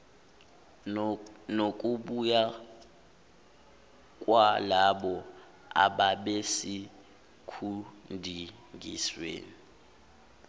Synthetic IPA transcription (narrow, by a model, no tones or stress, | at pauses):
nok̬ʼuɓuja | k̬ʼwalaɓɔ | a̰ɓaɓesi | kʰundʱi | ŋɡḭswḛːni